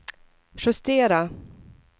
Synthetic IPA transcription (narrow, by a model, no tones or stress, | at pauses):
ʂɵst̪eːɾa